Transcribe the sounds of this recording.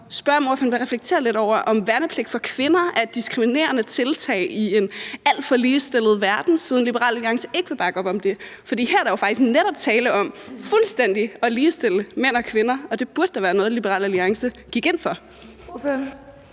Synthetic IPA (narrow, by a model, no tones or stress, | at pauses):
sb̥ɶɐ̰moɐfænʋæʁɛfleɡ̥̚t͡sʰe̝̰ːɐle̝ɾ̥ɒʊ̰ɐʔɒ̽mʋæɐnəpʰle̝ɡ̥̚fɒ̽kʰʋe̝nɐæɐd̥̚isɡ̥ʁimine̝̰ːɐnət͡sʰe̝lt͡sʰɛ̰ːɪie̝næl̰d̥fɒ̽liːsd̥e̝lð̞̩ˠʋæɐd̥n̩sið̞ˠn̩lib̥əʁɑ̰ːlæliɑ̈ŋsə̥e̝ɡ̥ʋe̝b̥ɑ̈ːɡ̥ɒ̽b̥ɒ̽md̥e̝fɒ̽d̥ḭːhæɐɾ̥æjofɑ̈ɡ̥d̥isɡ̥neɾ̥ɒ̽b̥̚t͡sʰɛːləʔɒ̽mfulsd̥en̰d̥iɒ̽liːsd̥eləmen̰ɒ̽kʰʋe̝nɐɒ̽d̥e̝b̥uɐd̥əd̥æʋæːɐnɔ̽ð̩ˠlib̥əʁɑ̰ːlæliɑ̈ŋsə | ɡ̥iɡ̥e̝n̰fɒ̽